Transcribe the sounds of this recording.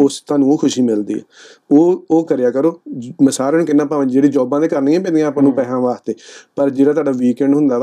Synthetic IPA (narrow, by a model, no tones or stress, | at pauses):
ʊst̪ãːnũːoːkʰʊʃiːmɪld̪ḭːɛ̰ː | oːoːkəɾɪjaːkəɾoːməsaːɾənkɪnːãːpaːʋãd͡ʒeːɽiːd͡ʒɔːbãːd̪eːkəɾniːãːpẽːnd̪ijãːpãːnũːpɛːɦãːʋaːst̪eːpəɾd͡ʒeːɽaːt̪oaːɖaːʋiːkɛ̃ːɳɖɦʊ̃nd̪aː